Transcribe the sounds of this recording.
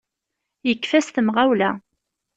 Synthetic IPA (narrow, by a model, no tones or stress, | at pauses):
jəkːfæsθəmʁawlæ